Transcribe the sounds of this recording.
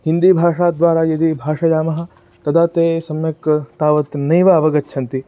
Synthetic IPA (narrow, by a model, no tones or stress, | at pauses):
hind̪iːbʱaːʂaːd̪ʋaːɾaːjɐd̪ibʱaːʂɐjaːmɐɦɐ̆ | t̪ɐd̪aːt̪eːsɐmjɐkt̪aːʋɐt̪nɐjʋaɐʋɐɡɐtːʃʰɐnt̪i